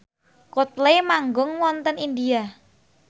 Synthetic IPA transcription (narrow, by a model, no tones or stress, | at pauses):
kot̪̚lemaŋɡʊŋwɔnt̪ənind̪ia